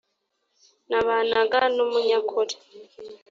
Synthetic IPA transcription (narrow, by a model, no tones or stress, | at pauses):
naβanaɡanomuɲakʰoɾi̥